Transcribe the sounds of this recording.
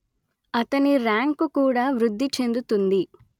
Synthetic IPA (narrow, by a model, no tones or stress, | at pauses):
ɐt̪ɐniɾaːŋkukuːɽaːʋɾud̪ʱːit͡ʃe̞nd̪ut̪und̪i